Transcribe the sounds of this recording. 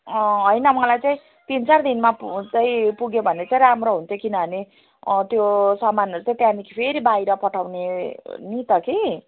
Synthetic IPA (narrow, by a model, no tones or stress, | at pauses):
ʌɦʌjnʌmʌlajt͡saĩ | t̪int͡sard̪inmat͡sʌĩpuɡjobʱʌneʌt͡saĩramɾoɦunt̪ʰjokinʌbʱʌne | t̪josʌmːanʌɾut͡saĩt̪janikpʰeɾibajɾʌpʌʈʰawnenit̪ʌki